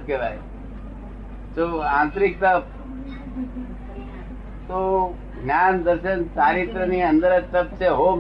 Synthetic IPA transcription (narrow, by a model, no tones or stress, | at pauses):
keʋa̰j | t͡ʃoãːnt̪ɾik̚t̪əp̚ | t̪o | ɡʱnjaːnd̪əɾʃənt͡ʃaːɾit̪ɾəniːə̃nd̪əɾet̪əp̚t͡ʃeɦom